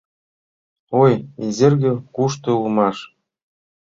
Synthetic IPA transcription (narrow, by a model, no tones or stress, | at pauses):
ojezʲĕrʲɡʲɘ̆kuʂt̪ɤ̆ulˠmɑʂ